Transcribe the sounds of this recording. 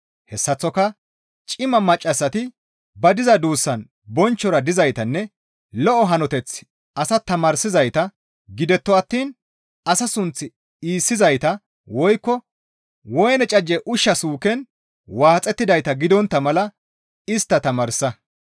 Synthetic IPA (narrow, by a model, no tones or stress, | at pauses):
hɛsːɐt͡sːɔkɐ | t͡ʃʼɪmɐmɐt͡ʃʼːɐsːɐt̪ɪ | bɐd̪ɪzɐd̪uːsːɐn | bɔnt͡ʃːɔɾɐd̪ɪzɐjt̪ɐnːɛ | lɔʔɔɦɐnɔt̪ɛt͡sː | ɐsɐt̪ɐmɐɾsɪzɐjt̪ɐ | ɡɪd̪ɛt̪ːɔɐt̪ːiːn | ɐsɐsʊnt͡sːɪ | iːsːɪzɐjt̪ɐ | wɔjkːɔ | wɔjnɛt͡ʃʼɐd͡ʒːɛʔʊʃːɐsuːkɛn | waːt͡sʼːɛt̪ːɪd̪ɐjt̪ɐɡɪd̪ɔnt̪ːɐmɐlɐ | ɪst̪ːɐt̪ɐmɐɾsːɐ